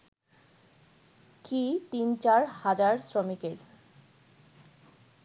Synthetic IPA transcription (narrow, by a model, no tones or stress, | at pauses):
kit̪int͡ɕaɾhad͡ʑaɾsɾomikeɾ